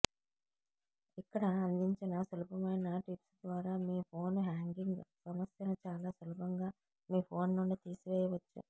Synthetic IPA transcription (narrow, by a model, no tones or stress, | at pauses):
ikːɐɽɐːnd̪iɲt͡ʃinɐsɐlupɐmɐjnɐʈipsd̪ʋaːɾaːmiːpʰoːnɦaːŋɡiŋɡsɐmɐsjɐnɐt͡ʃaːlaːsɐlubʱɐŋɡaː | miːpʰo̞ːnːuɳɖit̪iːsiʋeːjɐʋɐt͡ʃːṵ